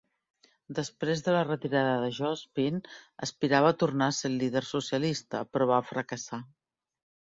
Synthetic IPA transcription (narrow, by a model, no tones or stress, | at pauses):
d̪əspɾezðələrət̪iɾaðəðəʒɔspinə̰spiɾaβəːt̪urnaselːiðərsusiəlist̪ə̰pɾɔβ̞afɾəkəsa